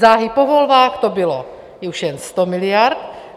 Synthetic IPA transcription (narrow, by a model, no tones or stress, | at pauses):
zaːɦipovolvaːxt̪obɪlo | jɛuʃjɛnst̪omɪlɪjaɾt̪